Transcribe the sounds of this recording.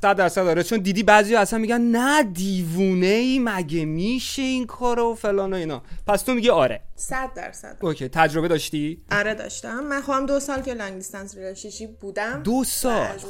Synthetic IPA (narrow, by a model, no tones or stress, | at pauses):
sæd̪̚ːæɾsæd̪ɒːɾet͡ʃʰond̪iːd̪iːbæzijɒæsænmiɡɟænnæd̪iːvuːneiːmæɟemiːʃe̞inkʰɒːɾofe̞lɒːnoiːnɒ̰ːpʰæst̪ʰomiɟiɒːɾe̞̰sæd̪̚ːæ̰ɾsæ̰d̥̪oːcʰejt̪ʰæd͡ʒɾo̞be̞d̪ɒːʃt̪iʔɒɾed̪ɒ̰ʃt̪æmːænxobæmd̪osɒːlkelæŋɡist̪ænsɾilɒʃit͡ʃʰibuːd̪æmd̪osɒl